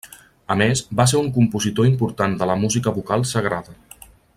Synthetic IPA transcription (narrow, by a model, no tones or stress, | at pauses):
əmezbas̬eɾuŋkumpuzit̪oimpuɾt̪and̪ələmuzikəβukalˠsəɣ̞ɾaðə